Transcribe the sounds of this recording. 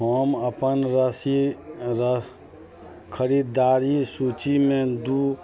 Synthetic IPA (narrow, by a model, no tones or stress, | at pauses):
oːməpənɾəsiɾə | kʰəɾiːd̪aːɾisut͡ʃimẽd̪uː